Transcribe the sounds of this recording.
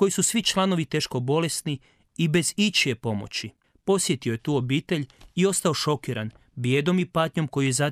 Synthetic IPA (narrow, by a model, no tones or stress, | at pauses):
ko̞jisusʋit͡ʃlˠano̞ʋit̪e̞ːʃko̞bo̞le̞sni | ibe̞zit͡ʃie̞po̞mo̞̰t͡ɕi | po̞sje̞t̪ioje̞t̪uːo̞biːt̪e̞ʎio̞st̪aoʃo̞kiɾan | bje̞ːd̪o̞mipaːt̪ɲo̞mko̞jijeza